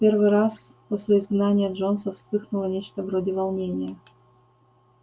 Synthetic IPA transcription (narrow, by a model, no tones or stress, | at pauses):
pʲervɨɾas | posʲlʲɪɪzɡnanʲɪjəʐo̞ns̬əfspɨxnulˠənʲet͡ɕt̪əvɾodʲɪvɐlˠnʲenʲɪjə